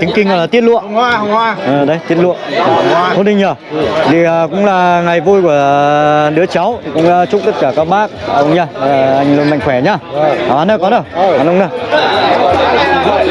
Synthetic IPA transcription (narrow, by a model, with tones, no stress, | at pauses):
t̪ï˨˦ŋ̟kï˧ŋkɔ̰˧˨jlaː˨˩i˦˥t̚lṵ˧˨ə˧ | ə˨˩ɗə˨˦jt̪i˦˥ət̚lṵ˧˨ə˧ | hni˧˩ɲəː˨˩ | t̪ʰi˨˩əː˨˩kʊ̰˧˥ŋ͡mlaː˨˩ŋa˨˩jvu˧jku˧˩əɗɨ˨˦ət͡ɕa˨˦wt̪ʰi˨˩kʊ̰˧˥ŋ͡mt͡ɕʊ˦˥k͡p̚t̪ə˦˥t̚kaː˧˩kaː˦˥k̚ɓaː˦˥k̚ʔə˧wŋ͡mɲaː˧˨˩ʔa˧jŋ̟lo˧nma̰˧˨ŋ̟xwɛ˧˩ɲaː˧˨˩ha˨˦nə˧˩kɔ˨˦nə˧˩wnʔə˧wŋ͡mnə˧˩˧